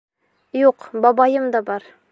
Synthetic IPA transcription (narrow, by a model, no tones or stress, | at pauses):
juqbɑbɑjɤmd̪ɑbɑɾ